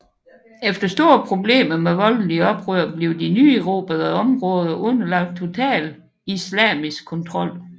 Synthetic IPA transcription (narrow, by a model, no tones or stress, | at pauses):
efd̥ɐsd̥o̝ɐpʰʁo̝b̥le̝̰ːmɐmeʋɒ̽ln̩liɒ̽b̥ʁøɐ̰b̥le̝ʊd̥inyːeʁo̝̰b̥æðˠɐɒ̽mʁɔ̽ːð̞ˠɐʔɔ̽nɐlɑ̈ɡ̥̚d̥̚t͡sʰo̝t͡sʰɛ̰ːl | islɛ̰ːmisɡ̥kʰɔ̽nt͡sʰʁɒ̽l̰